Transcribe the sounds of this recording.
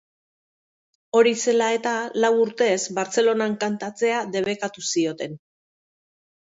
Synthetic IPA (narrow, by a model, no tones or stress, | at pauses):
o̞ɾise̞lae̞t̪alawuɾt̪e̞zβaɾt͡se̞lo̞naŋkant̪at͡se̞aðe̞βe̞kat̪usio̞t̪e̞n